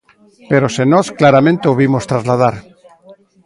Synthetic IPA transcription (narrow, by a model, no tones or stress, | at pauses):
pe̞ɾo̞senosklaɾamẽ̞nt̪eoβimo̞st̪ɾazlað̞aɾ